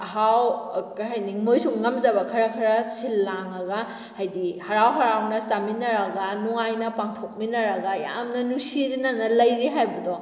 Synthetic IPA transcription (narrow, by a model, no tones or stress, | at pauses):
ɦawkaɦajniŋmojsuŋːɐmzɐbɐkʰɐɾɐkʰɐɾɐsilːaŋɐɡa | hɐjdihɐɾawɦɐɾawnɐsaminɐɾɐɡanuajnɐpaŋtʰok̚minɐɾɐɡaja̰mnɐnusiɾinanɐlɐjɾiɦajbɐdɔ